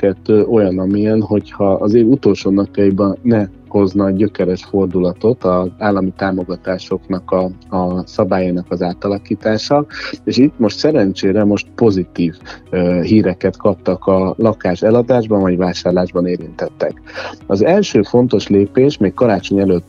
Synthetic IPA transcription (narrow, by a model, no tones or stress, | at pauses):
kɛt̪ːøːʔo̞jɒnɒmijɛnɦo̞chɒɒzeːlut̪o̞ːlʃoːnɒkjɒjibɒnɛ | ho̞znɒɟø̞kɛɾɛʃfo̞rd̪ulɒt̪o̞t̪ɒzaːlːɒmit̪aːmo̞ɡɒt̪aːʃo̞knɒkɒɒsɒbaːjaːnɒkɒzaːt̪ɒlɒkiːt̪aːʃɒeːʃit̪ːmo̞ʃt̪sɛɾɛnt͡ʃeːɾɛmo̞ʃt̪po̞zit̪iːvɦiːɾɛkɛt̪kɒp̚t̪ɒkɒlɒkaːʃɛlɒd̪aːʒbɒnvɒɟvaːʃaːrlaːʒbɒneːɾint̪ɛt̪ːɛ̰kɒzɛlʃøːfo̞n̪t̪o̞ʃleːpeːʃmeːkkːɒɾaːt͡ʃo̞ɲɛløːt̪ː